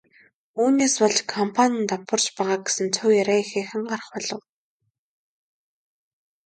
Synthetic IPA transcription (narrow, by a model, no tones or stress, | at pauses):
uːneːspɔɮt͡ɕkʰɔmpʰanʲə̆nt̪apə̆rt͡ɕpæːʁaːɡe̥sɘ̆nt͡sʰʊwjæɾæːixeːxɘ̆ŋɢarə̆χpɔɮɞ̆w